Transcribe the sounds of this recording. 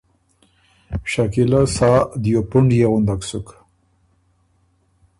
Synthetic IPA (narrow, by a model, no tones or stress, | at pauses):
ɕakilasaːd̪jopuɳɖjeɣʊnd̪aksuk